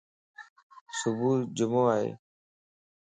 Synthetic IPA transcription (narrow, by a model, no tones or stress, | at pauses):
sʊbʱuːd͡ʒəmoːaːɦḛː